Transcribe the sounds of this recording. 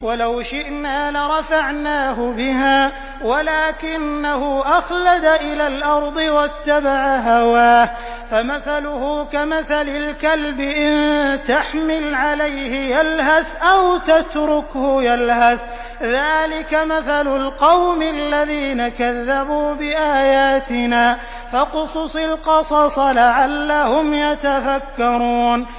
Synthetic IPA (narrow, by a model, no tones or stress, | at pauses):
walawʃɪʔnaːlɪɾˤɑfaʕnaːɦʊbɪhaː | walaːkɪnːahʊʔaxlad̪aʔɪlaːlʔɑɾˤd̪ˤɨwat̪ːabaʕaɦawaːh | famaθalʊhʊkamaθalɪlkalbɪʔɪnt̪aħmɪlʕalajhɪjalɦaθʔawt̪at̪ɾʊkhʊjalhaθ | ðaːlɪkamaθalʊlqɑwmaalːaðiːnakaðːabuːbɪʔaːjaːt̪ɪnaː | faqʊsˤsˤɪlqɑsˤɑsˤɑlaʕalːahʊmjat̪afakːɑɾˤuːn